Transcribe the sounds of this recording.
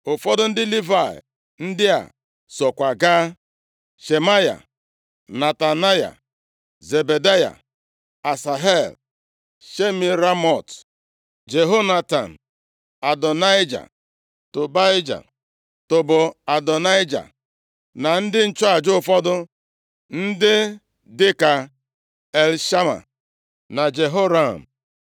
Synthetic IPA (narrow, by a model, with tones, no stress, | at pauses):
ʊ˨fɔ˦dʊ˦n̩˦dɪ˦li˦va˨ɪ̰˨ | n̩˦dɪ˦a̰˨ | sɔ˨kʷa˨ɡaː˦ | ʃe˨ma˦ja̰˨ | na˨ta˨na˦ja̰˨ | ze˨be˨da˦ja̰˨ | a˨sa˨ɦe˦˨l | ʃe˦mi˨ɾa˦mɔ˨t | d͡ʒe˨ɦo˦na˦ta˨n̩˨ | a˨dɔ˨na˦ɪ˦d͡ʒa̰˨ | to˨ba˦jd͡ʒa̰˨ | tʊ˨bʊ˨a˨dɔ˨na˦i˦d͡ʒa̰˨ | na˨n̩˦dɪ˦n̩˦t͡ʃɔ˦a˨d͡ʒʊ˦ʊ˦˨fɔ˦dʊ˦ | n̩˦dɪ˦ | dɪ˦ka˨ | e˨lʃa˦ma̰˨ | na˨d͡ʒe˨ɦo˦ɾa˦˨m̩˨